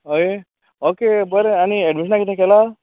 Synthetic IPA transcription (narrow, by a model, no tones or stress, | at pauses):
ɦoe | okebəɾeañiɛɖmiʃənakit̪ʰẽkɛla